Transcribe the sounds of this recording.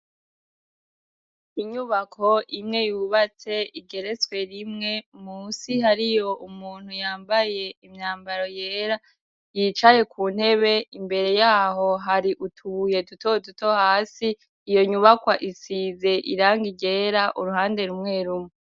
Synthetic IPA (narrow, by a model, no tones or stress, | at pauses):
iɲuβakʰo̞ʔimŋe̞juβat͡se̞ʔiɡe̞ɾe̞t͡swe̞ɾimŋe̞muːsiɦaɾijo̞ʔumuːn̥hujaːmbaje̞imɲaːmbaɾo̞jeːɾa | jit͡ʃaje̞kʰuːn̥he̞βe̞imbe̞ɾe̞jaːɦo̞ɦaɾiʔutʰuje̞dutodutohaːsiː | jo̞ɲuβakwaʔisize̞ʔḭɾaːŋɡiɡe̞ːɾaʔuɾuɦaːnde̞ɾumŋe̞ɾumo